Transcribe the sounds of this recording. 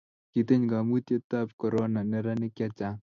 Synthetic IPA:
ki˨t̪e˦ɲɡa˨mu˦t̪je˦t̪a˦p̚kɔ˨ɾɔ˦na˨nɛ˦ɾa˦nɪ˦kja˦t͡ʃa˦

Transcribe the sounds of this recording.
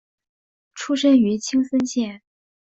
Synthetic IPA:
ʈ͡ʂʰu˥ʂə˥ny˧˥t͡ɕʰi˥ŋsə˥nɕjɛ˥˩n

